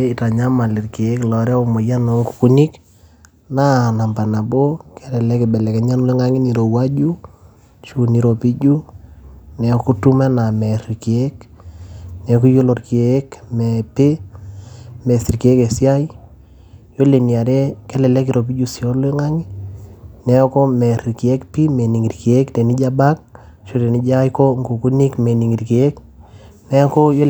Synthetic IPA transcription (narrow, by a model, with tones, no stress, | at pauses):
i˨ta˨ɲa˦ma˨li˨rke˨˦klɔ˨ɾɛ˦o˨mo˨ja˦nɔ˨˦ŋku̥˨ku˦ni˦k | na˦˨na˨mba˨na˨bo˦kɛ˦lɛ˨lɛ˦kɪ˨bɛ˨lɛ˨kɛ˨ɲa˦n˦le˦ŋa˦ŋɪ˦ni˨ɾo˨wa˦d͡ʒu˦ | t͡ʃu˦ni˨ɾo˨pi˦d͡ʒu˦ | nɛ˨ku˦tu˦mɛ˦na˨mɛ˨ɾike˦k | nɛ˨ku˦jo˦lo˨rki˨e˨˦kmɛ˨pe˦ | mɛ˨si˨ɾki˨e˦ke˨sja˦j | jo˦le˨ni˨a˨ɾe˦kɛ˦lɛ˨lɛ˦k̬i˨ɾʔo˨p̬i˦d͡ʒu˦sjo˦le˦ŋa˦ŋi˦ | nɛ˨˦kɔ˦mɛ˨ɾi˨ki˨ɛ˦kpi˦me˨ni˨ŋi˨ɾki˨e˦kte˨ni˦d͡ʒa˦ba˦k̚ | ʃo˦te˨ni˦d͡ʒa˦jko˦ŋɡu˨ku˦ni˦kme˨ni˨ŋi˨ɾki˨e˦k | nɛ˦kɔ˦jo˦